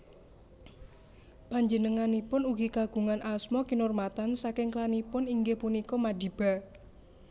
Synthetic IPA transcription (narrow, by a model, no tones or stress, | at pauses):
paɲd͡ʒənəŋanipʊnuɦikaɡ̥ṳŋanʔasmɔkinʊrmat̪ansakɪŋklanipʊniŋɡehpunikɔmaɖ̥i̤b̥a̤